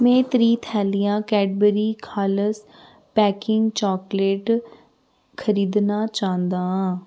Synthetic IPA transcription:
mɛ̃ːt̪ɾiːt̪ʰɛːlijãːkɛːɖbəɾiːkʰaːləs | pɛːkɪŋɡt͡ʃɔːkleːʈ | kʰəɾiːd̪naːt͡ʃãːnd̪ãː

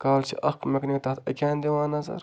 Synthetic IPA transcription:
kaːlt͡ʃʰḭʔɐqmɐknit̪ɐt̪ʰɐkʲãːnd̪iwãːnɐzɐ̰ɾ

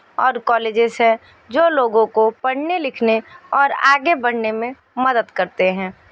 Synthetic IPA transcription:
ɔːɾkɔːleːd͡ʒɪzɦɛ̃ | d͡ʒoːloːɡõkopɐɽ̤nelɪkʰneɔːɾa̰ːɡebɐɽnemẽ | məd̪əd̪kəɾt̪eɦɛ̃ː

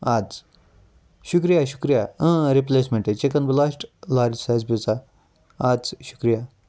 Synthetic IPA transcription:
at͡s | ɕukɾijaɕu̥kɾijaə̃ɾiplesmẽɳʈet͡ɕekɐnblasʈlaɾd͡ʑsad͡zbit͡sa | ad͡zɕu̥kɾija

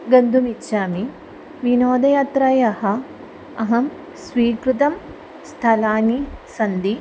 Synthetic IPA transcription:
ɡɐnd̪ʱumitːʃaːmi | ʋinoːd̪ɐjaːt̪ɾajɐhɐ | ɐɦɐm | sʋiːkɾut̪̬ɐm | st̪ʰɐlaːnisɐnd̪i

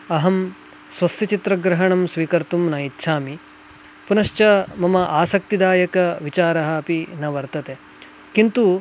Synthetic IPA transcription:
ɐɦɐm | sʋɐsjɐt͡ʃit̪ɾɐɡɾɐɦɐɳɐmsʋiːkɐɾt̪umnaːjit̪ːʃʰaːmi | punɐʃt͡ʃɐmɐmɐʔaːsɐk̚t̪id̪aːjɐkɐʋit͡ʃaːɾɐɦɐ̆ːpinɐʋɐɾt̪ɐt̪e | kint̪u

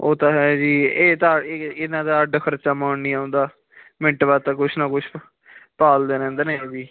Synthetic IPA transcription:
oːt̪ãːɦɛd͡ʒiːeːt̪ãːɪnãːd̪aːəɖkʰəɾt͡ʃaːmaːɳːiːaʊ̃nd̪aː | mɪ̃ɳʈbaːt̪ãːkʊt͡ʃʰnãːkʊt͡ʃʰ | paːld̪eːɾɛ̃ːnd̪aneːd͡ʒiː

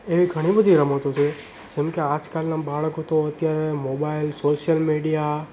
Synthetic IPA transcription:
eʋiɡʱəɽ̃ibəd̪ʱiɾəmot̪ot͡ʃʰe | d͡ʒɛmkead͡ʒkalnabaɭkot̪oət̪jaɾemobailsoʃjəlmeɽija

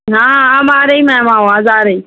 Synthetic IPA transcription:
ɦaamaːɾajmamawazaːɾai

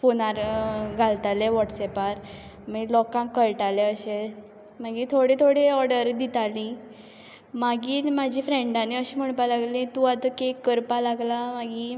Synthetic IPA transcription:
fonaɾɡʱalt̪aleʋɔʈsɛpaɾmiɡlɔkãkːəjʈaleəɕe | maɡiːt̪ʰoɽet̪ʰoɽeɔɾɽəɾd̪it̪alĩ | maɡiːmad͡ʑʱiːfɾẽɳɖaneəɕim̤əɳpalaɡlĩt̪ũat̪əkekːəɾpalaɡlamaɡiː

